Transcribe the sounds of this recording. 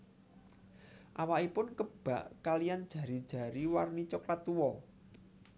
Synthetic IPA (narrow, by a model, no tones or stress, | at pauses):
ʔawaʔipʊnkəb̥ä̤ʔkalijand̥ʒ̥ä̤ɾid̥ʒ̥ä̤ɾiwarnit͡ʃɔklat̪uwɔ